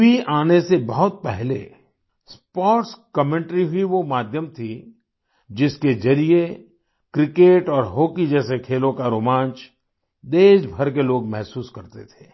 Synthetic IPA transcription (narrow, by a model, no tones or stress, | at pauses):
iaːnesebɐɦʊt̪̚pɛɦlḛ | spɔːʈskɐmẽɳʈɾiɦʊiʋomaːd̪ʱjəmt̪ʰi | d͡ʒɪskezɐɾie | kɾɪkeːʈɔːɾɦoːkid͡ʒɛːsekʰeːlõkaɾoːmãːt͡ʃ | d̪eːʃbʱɐɾk̬eloːɡmɛɦsuːskɐɾt̪et̪ʰe̥ː